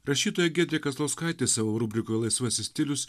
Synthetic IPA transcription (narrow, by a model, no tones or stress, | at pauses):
ɾɐʃʲiːt̪oːjɛɡʲɛd̪ʲɾʲɛkɐzlˠoskɐˑɪt̪ʲeːsɑːʋoːɾuːbʲɾʲɪkoːjlˠɐɪsʋɐsʲɪsʲt̪ʲɪlʲʊs